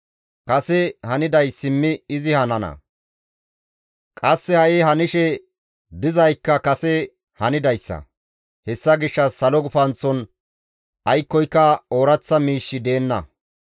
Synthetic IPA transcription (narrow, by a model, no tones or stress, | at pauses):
kɐsɛhɐnɪd̪ɐjsɪmːɪɪzɪhɐnɐnɐ̰ | kʼɐsːɛhɐʔɪɦɐnɪʃɛ | d̪ɪzɐjkːɐkɐsɛ | hɐnɪd̪ɐjsːɐ̰ | hɛsːɐɡɪʃːɐsɐlɔɡʊfɐnt͡sːɔn | ʔɐjkːɔjkːɐoːɾɐt͡sːɐmiːʃːɪd̪e̞ːnːɐ